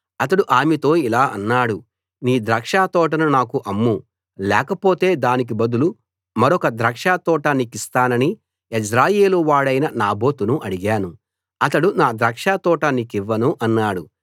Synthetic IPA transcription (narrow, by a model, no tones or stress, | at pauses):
ɐt̪ɐɽuʔaːmit̪o̞ːilaːɐ̰nːaːɽu | niːd̪ɾɐːkʂaːt̪ɔːʈ̬ɐnunaːkuʔɐmːu | lɛ̰ːkɐpoːt̪e̞ːd̪aːnik̬ibɐd̪ulu | mɐɾɔkɐd̪ɾɐːkʂaːt̪ɔːʈɐnikist̪aːnɐni | id͡ʒɾaːjeːluʋaːɽɐjnɐnaːbo̞ːt̪unuʔɐɽiɡaːnu | ɐt̪ɐɽunaːd̪ɾɐːkʂaːt̪ɔːʈɐnikiʋːɐnuʔɐnːaːɽu